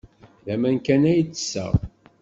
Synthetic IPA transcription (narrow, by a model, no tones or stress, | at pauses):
ðæmænkænæjt͡sːə̥sːə̰ʁ